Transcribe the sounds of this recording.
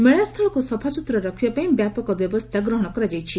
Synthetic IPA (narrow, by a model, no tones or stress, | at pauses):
meɭast̪ʰɔlɭɔkusɔpʰasut̪ɾɔɾɔkʰibapaĩbjapɔkɔbjɔbɔst̪ʰaɡɾɔɦɔɽ̃ɔkɔɾad͡ʒajt͡ʃʰi